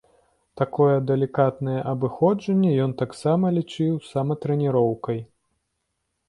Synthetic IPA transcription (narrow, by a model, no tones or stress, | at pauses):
t̪akɔjɛd̪ɛlʲikat̪nɐjɛʔɐbɨxɔd͡ʐɐnʲːɛjɔnt̪aksamɐlʲit͡ʂɨwsɐmɐt̪ɾɛnʲiɾɔwkɐj